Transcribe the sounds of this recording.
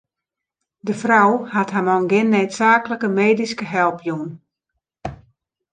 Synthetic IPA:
dəfrawhatɦamɔnɡɪnːeːtsaːkləkəmeːdiskəɦɛlˠpjun

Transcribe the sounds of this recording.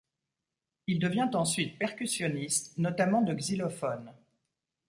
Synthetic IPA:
ild̪əvjɛ̃t̪ɑ̃sɥit̪̚pɛʁkʲysjɔnist̪nɔt̪amɑ̃d̪əɡzilɔfɔn

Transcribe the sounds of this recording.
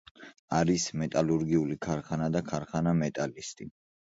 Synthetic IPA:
aɾismɛt̪ʼaluɾɡiulikʰaɾχanad̪akʰaɾχanamɛt̪ʼalist̪ʼi

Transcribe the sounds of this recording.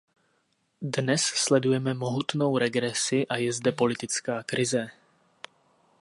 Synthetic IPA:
dnɛsslɛdujɛmɛmoɦut̪no̞wɾɛɡɾɛsɪʔajɛzdɛpo̞lɪt̪ɪt͡skaːkɾɪzɛ

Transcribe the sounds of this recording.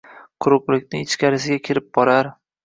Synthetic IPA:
qʰʊɾʊplɪkʲnɪɪt͡ʃkʲaɾɪsɪɡʲakʲʰɪɾɪp̚bɒɾaɾ

